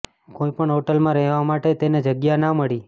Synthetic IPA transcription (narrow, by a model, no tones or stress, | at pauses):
koipəɳɦoʈəlmãɾɛɦʋamaʈet̪ened͡ʒəɡjanaməɭi